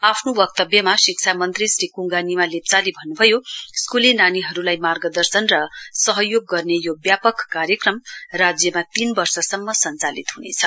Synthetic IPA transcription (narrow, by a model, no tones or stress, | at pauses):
apʰnowʌk̚t̪ʌbjʌmasiksʰamʌnt̪risrikuŋɡanimalept͡salibʱʌnːubʱʌjoskulenaniɦʌɾulajmarɡʌd̪ʌrsʌnrʌsʌɦʌjoɡːʌrnejobjapʌkːarjʌkrʌmrad͡zjʌmat̪inbʌrsʌsʌmːʌsʌnt͡salḭt̪ɦunḛt͡sʰʌ